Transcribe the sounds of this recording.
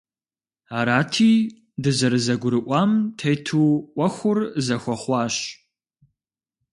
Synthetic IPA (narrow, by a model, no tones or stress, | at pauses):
aːɾaːtʰiː | dɨzɐɾɨzɐɡʷʊɾɨʔʷɑːmtʰejtʰuːʔʷɐxʷʊrzɐxʷɔχʷɑːɕ